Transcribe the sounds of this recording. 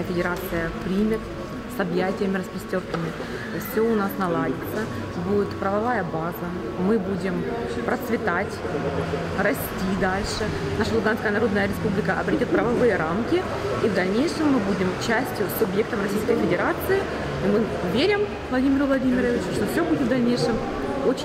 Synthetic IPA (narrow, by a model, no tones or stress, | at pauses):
əfʲɪdʲɪɾat̪sɨjəpɾʲimʲɪt̪ | sɐbjætʲɪjəmʲɪɾəspʲɪsʲtʲorkəmʲɪ | fsʲo̞ʊnasnɐlˠadʲɪt̪sə | budʲɪt̪pɾəvɐvajəbazə | mɨbudʲɪmpɾət̪svʲɪt̪atʲ | rɐsʲtʲid̪alʲʂɨ | naʂəlˠʊɡanskəjənɐɾo̞d̪nəjəɾʲɪspublʲɪkəʔɐbɾʲɪdʲot̪pɾəvɐvɨjəɾamkʲɪ | ivd̪ɐlʲnʲejʂɨmːɨbudʲɪmt͡ɕæsʲtʲjʊsʲʊbje̞k̚t̪əmɾɐsʲijskəjfʲɪdʲɪɾat̪sɨɪ | imɨ | vʲeɾʲɪm | vlˠɐdʲimʲɪɾʊvlˠɐdʲimʲɪɾəvʲɪɪt͡ɕʊʂt̪ofsʲɵbudʲɪt̪vd̪ɐlʲnʲejʂɨm | ot͡ɕɪ